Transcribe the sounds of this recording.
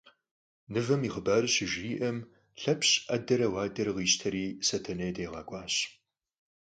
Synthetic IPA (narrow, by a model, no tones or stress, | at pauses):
nɨvɐmiːχəbaːrɨɕɪʒiːʔɐm | ɬɐpʰɕʼɐdɐɾɐwɑːdɐrʁiːɕtʰɐɾiːsɐtʰɐnɐjdeːʁɑːkʷʼɑːɕ